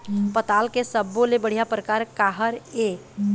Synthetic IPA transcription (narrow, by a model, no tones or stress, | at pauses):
pət̪aːlkesəbːõlebəɽ̤ijapɾəkaːɾkaːɦəɾe